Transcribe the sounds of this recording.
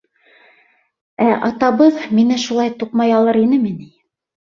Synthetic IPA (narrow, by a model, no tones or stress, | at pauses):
æʔɑt̪ɑβɤðminɘʃulˠɑjt̪uqmɑjɑlˠɤɾinɘmini